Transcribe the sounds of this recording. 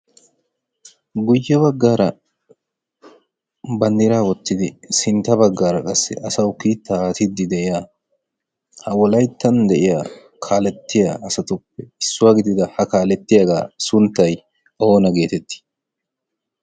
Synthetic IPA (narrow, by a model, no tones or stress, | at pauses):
ɡʊjːɛβɐɡːaːɾɐ | bɐnd̪ɪɾaːwɔt̪ːɪd̪ɪsɪnt̪ːɐbɐɡːaːɾɐkʼɐsːɛ̰ʔɐsɐwkiːt̪ːaːt̪ɪd̪ːɪd̪ɛʔɪjaː | hɐwɔlɐjt̪ːɐnd̪ɛʔɪja̰ː | kʰaːlɛt̪ːɪja̰ːʔɐsɐt̪ʊpːɛɪsːʊwaːɡɪd̪ɪd̪ɐhɐkaːlɛt̪ːɪjaɡa̰ːsʊnt̪ːɐj | ʔo̞ːnɐɡe̞ːt̪ɛt̪ːɪ̥